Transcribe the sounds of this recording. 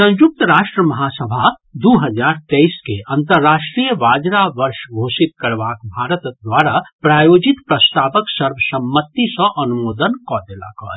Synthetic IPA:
sə̃nd͡ʒuk̚t̪ɾaːʃʈɾəmɐɦasəbʱad̪uɦəd͡ʒaɾt̪ɛiskeʔə̃nt̪əɾːaʃʈɾijəʋaːd͡ʒɾaʋəɾʃɡʱoːsit̪̚kəɾbakbʱaɾət̪d̪waɾapɾaːjoːd͡ʒit̪pɾəst̪aːpəksəɾbəsəmːət̪isə̃ʔɐnumoːd̪ənkɔd̪ela̰kɔ̰

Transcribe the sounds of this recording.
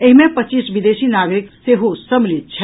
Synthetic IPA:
eɦimẽpətt͡ʃisbid̪esinaɡɾikseɦosəmlit̪̚t͡ʃʰɛ

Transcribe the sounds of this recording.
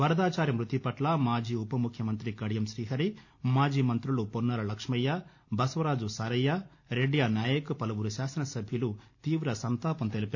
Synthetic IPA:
ʋɐɾɐd̪aːt͡ʃaːɾjɐmɾut̪ipɐʈlɐmaːd͡ʒiːupɐmukʰjɐmɐnt̪ɾikɐɽjɐmsɾiːɦɐɾi | maːd͡ʒiːmɐnt̪ɾuluponːɐɾɐlɐkʂmɐjːa | bɐsʋɐɾaːd͡ʒusaːɾɐjːa | ɾeɖijaːnjaːjɐkupɐlɐʋuɾuʃaːsɐnɐsɐbʱjɐlut̪iːʋɾɐsɐnt̪aːpɐmt̪elipe

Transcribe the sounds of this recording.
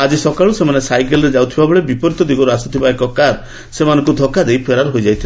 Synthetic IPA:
ad͡ʒisɔkaɭusemanesajkelɔɾed͡ʒawt̪ʰibabɔɭebipɔɾit̪ɔd̪iɡɔɾuasut̪ʰibaekɔkaɾ | semanɔŋk̬ud̪ʱɔkad̪ejpʰeɾaɾɦojd͡ʒajt̪ʰila

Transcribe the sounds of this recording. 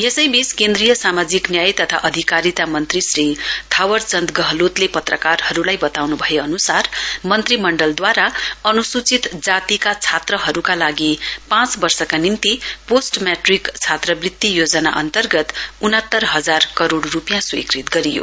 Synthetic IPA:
jesʌjbiskend̪rijʌsamad͡ziknjajt̪ʌt̪ʰa̰ʔʌd̪ʱikaɾit̪amʌnt̪risrit̪ʰawʌrt͡sʌnd̪ɡʌɦlot̪lepʌt̪rʌkarhʌɾulajbʌt̪awnubʱʌeʌnusarmʌnt̪rimʌɳɖʌld̪waɾaʌnusut͡sit̪d͡zat̪ikat͡sʰat̪rʌɦʌɾukalaɡipãt͡sbʌrsʌkanint̪iposʈmjaʈrikt͡sʰat̪rʌbrit̪ːijod͡zʌna̰ʔʌ̰nt̪ʌrɡʌt̪unʌt̪ːʌrɦʌd͡zarkʌɾoɽrupjãswḭkrit̪ɡʌɾijo̰

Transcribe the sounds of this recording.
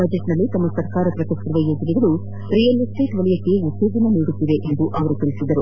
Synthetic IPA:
bɐd͡ʒeʈnɐlːit̪ɐmːɐsɐɾkaːɾɐpɾɐkɐskɾɐʋɐjed͡ʒɐniɡɐɭu | ɾijɐlusʈeːʈʋɐɭijɐkːeut̪ːeːd͡ʒɐnɐniːɽut̪ːid̪e̞ʔend̪uʔɐʋɐɾut̪iɭisid̪ːɐɾu

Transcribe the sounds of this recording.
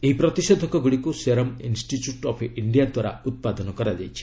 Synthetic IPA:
eɦipɾɔt̪isɔd̪ʱɔkɔɡuɽikuseɾɔmḭnsʈiʈjuʈɔpʰiɳɖijad̪waɾa̰ut̪̚pad̪ɔnɔkɔɾad͡ʒa̰jt͡ʃʰi̥

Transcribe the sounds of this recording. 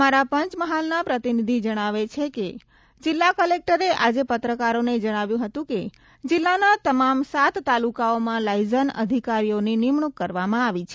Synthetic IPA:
maɾapəɲt͡ʃməɦalnapɾət̪inid̪ʱid͡ʒəɽ̃aʋet͡ʃʰeke | d͡ʒɪlːakəlek̚ʈəɾeʔad͡ʒepət̪ɾəkaɾoned͡ʒəɽ̃aʋjũɦət̪ũke | d͡ʒɪlːanat̪əmamsat̪ːalukaomãlajzənə̰d̪ʱikaɾijoninɪmɳukːəɾʋamãaʋit͡ʃʰe̥

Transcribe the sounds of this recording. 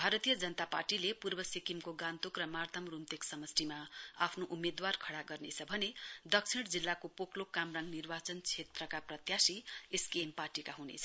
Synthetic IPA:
bʱaɾʌt̪ijʌd͡zʌnət̪aparʈilepurbʌsikimkoɡant̪ukrʌmart̪ʰʌmrumt̪eksʌmʌsʈimaa̰pʰnoʔumed̪warkʰʌɽaɡʌrnet͡sʰʌbʱʌned̪ʌksʰiɽd͡zilːakopoklokamraŋɡnirbat͡sʌnt͡sʰet̪rʌkaprʌt̪jasieskeemparʈikaɦunḛt͡sʰʌ

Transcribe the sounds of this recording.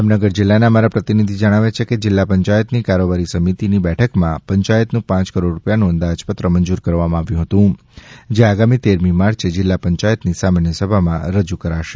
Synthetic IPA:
amnəɡəɾd͡ʒɪlːanaəmaɾapɾət̪inid̪ʱid͡ʒəɽ̃aʋet͡ʃʰeked͡ʒɪlːapəɲt͡ʃajət̪nikaɾobaɾisəmit̪inibɛʈʰəkmãpəɲt͡ʃajət̪nũpãt͡ʃkəɾoɖɾupjanũə̃nd̪ad͡ʒpət̪ɾəməɲd͡ʒuɾkəɾʋamãaʋjũɦət̪ũ | d͡ʒeaɡamit̪eɾmimaɾt͡ʃed͡ʒɪlːapəɲt͡ʃajət̪nisamanjəsəbʱamãɾəd͡ʒukəɾaʃe̥

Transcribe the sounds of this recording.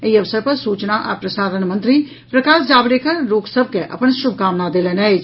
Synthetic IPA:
eiɐʋsəɾpɐɾsuːt͡ʃnaʔa̰ːpɾɐʃaːɾəɳmɐ̃nt̪ɾi | pɾɐkaːsd͡ʒaːbɾeːkʰəɾɾoːksəb̚ʱkeʔɐ̰pənʃʊb̚ʱkaːmnad̪eːlənɛ

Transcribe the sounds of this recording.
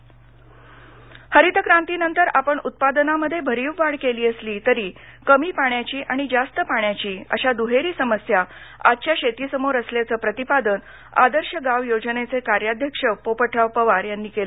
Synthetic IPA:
həɾit̪əkɾãnt̪iːnənt̪əɾapəɳut̪̚pad̪ənaməd̪ʱːjebʱəɾiːʋʋaɽkeliːəsliːt̪əɾiːkəmiːpaɳjat͡ɕiːʔaɽ̃id͡zast̪əpaɳjat͡ɕiːə̰ɕad̪uɦeɾiːsəməsja | a̰dt͡ɕjaɕet̪iːsəmoɾəsljat͡səːpɾət̪ipad̪ən | a̰d̪əɾɕəɡaʋjod͡zənet͡sekaɾjad̪ʱjəkʂəpopəʈʰaʋpəʋaɾjanːiːkelə

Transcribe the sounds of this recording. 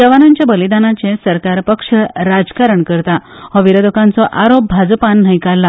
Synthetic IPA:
d͡ʑəʋanaɲt͡ɕjabəlid̪anat͡ɕẽsəɾkaɾpəkʂəɾad͡zkaɾəɳkəɾt̪aɦɔʋiɾəd̪okãnt͡sɔʔaɾop̚bʱad͡zpanːəjkalːa

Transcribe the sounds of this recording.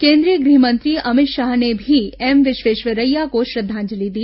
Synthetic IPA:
kẽːnd̪ɾiəɡɾiɦmənt̪ɾiːɐmɪt̪ʃaːɦnebʱiemʋɪʃʋeːʃʋəɾəjːakoʃɾɐd̪ʱːãːɲd͡ʒəlid̪i

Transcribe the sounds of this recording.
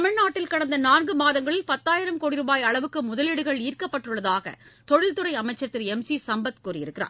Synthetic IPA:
ɐmɐɻnaːʈːɪlkɐɽɐnd̪ɐnaːnɡɯmaːðɐŋɡɐɭɪlpɐt̪ːaːjɪɾɐmkoːɽɪɾɯbaːjɐɭɐʋɯkːɯmʊðɐlɪɽɯɣɐɭiːrkɐpːɐʈːɯɭːɐðaːɣɐ̰t̪ɔɻɪlt̪ɯɾɐɪɐmɐɪt͡ʃːɐɾt̪ːɪɾɛmsisɐmbɐt̪kuːrɪjɪɾɯkːɪra̰ː

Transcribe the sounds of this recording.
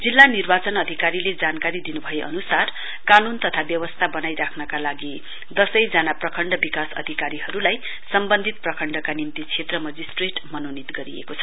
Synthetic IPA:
d͡zilːanirbat͡sʌnʌd̪ʱikaɾiled͡zankaɾid̪inubʱʌjeʔʌ̰nusar | kanunt̪ʌt̪ʰabjʌwʌst̪ʰabʌnajɾakʰnʌkalaɡi | d̪ʌsʌjd͡zanaprʌkʰʌɳɖʌbikasʌ̰d̪ʱikaɾiɦʌɾulaj | sʌmbʌnd̪ʱit̪̚prʌkʰʌɳɖʌkanimt̪it͡sʰet̪rʌmʌd͡zisʈreʈmʌnonit̪ɡʌɾiḛkot͡sʰʌ̥

